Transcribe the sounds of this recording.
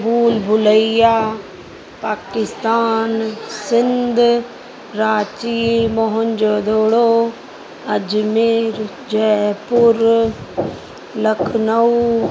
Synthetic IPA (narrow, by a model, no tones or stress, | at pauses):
buːlbʱʊləijaː | paːkɪst̪aːnsɪ̃nd̪ʱ | ɾaːt͡ɕimoɦʊnd͡ʑoːd̪oːɽo | ɐd͡ʑmeɾ | d͡ʑɛpʊɾ | lɐkʰnəu